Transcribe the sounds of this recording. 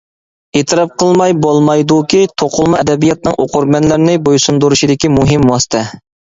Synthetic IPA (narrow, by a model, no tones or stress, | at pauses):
et̪ʰɨɾɑp̚qʰəlˠmɑjbolˠmɑjd̪ukʲit̪ʰoqʰʊlˠmɑɛd̪ɛbijɑt̪̚nɨŋʔo̰qʰʊɾmɛnlæɾnɪbojsund̪uɾuʃid̪ɪkʲimuɦɪmwɑsɨ̥t̪ʰɛ